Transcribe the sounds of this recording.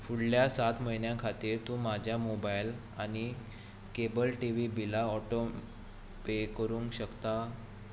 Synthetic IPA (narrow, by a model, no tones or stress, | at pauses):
fuɽljasat̪məjnjãkʰat̪iːɾt̪ũmad͡ʑʱjamobajl | añi | kebəlʈiʋiːbilaɔʈo | pekəɾũŋkɕəkt̪a